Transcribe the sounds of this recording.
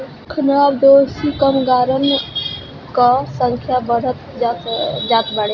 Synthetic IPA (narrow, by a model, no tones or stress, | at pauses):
kʰənabd̪osikəmɡaːɾən | kasəŋkʰjabəɽət̪ː | d͡ʒaːt̪bəɽe